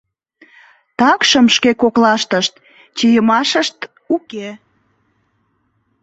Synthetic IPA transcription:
t̪ɑkʃəmʃkekoklɑʃt̪əʃt̪ | t͡ɕijəmɑʃəʃt̪ | uke

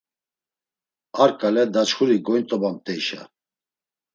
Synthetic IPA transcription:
aɾkʼalɛd̪at͡ʃχuɾiɡɔjnt̪ʼɔbamt̪ʼɛiʃa̰

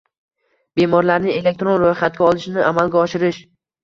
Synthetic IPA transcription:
b̥e̞mɒɾlaɾnɪŋe̞lek̚t̪ɾo̞nɾojχat̪̚ɡʲaɒlˠɪʃnɪʔamalˠɡʲaɒʃɪɾɪʃ

